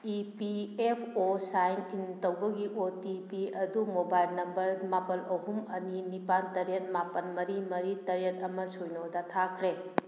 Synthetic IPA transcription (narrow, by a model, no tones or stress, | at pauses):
ipiepʰosajnintɐwbɐɡiʔotipiɐdumobajlnɐmbɐɾmapɐlɐɦumɐninipantɐɾiɐt̚mapɐnmɐɾimɐɾitɐɾiet̚ɐmɐsojnodɐtʰakʰɾe